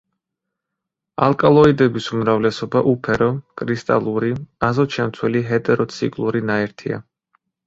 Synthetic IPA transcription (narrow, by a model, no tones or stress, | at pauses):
a̰lˠkʼalˠɔid̪ɛbisumɾavlɛsɔbaʔupʰɛɾɔkʼɾist̪ʼa̰lˠuɾiazɔt͡ʃʰɛmt̪ʰwɛliɦɛt̪ʼɛɾɔt̪sʰikʼlˠuɾinaɛɾt̪ʰia̰